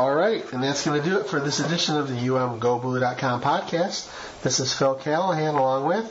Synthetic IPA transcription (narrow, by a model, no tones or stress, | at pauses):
ɔlˠɹaɪt̚ɨ̃nðætsɡ̥ʌnɨdɨːtfə˞ðɪsɨdɪʃɨ̃nʌvðɨjʉɛ̃mɡoʊbluɾɑt̚kʰɑ̃mpʰɑd̚kʰæst̪ | ðɪsɨz̥fɪlˠkʰælˠɦæ̃nəlɔ̃ŋwɪð̥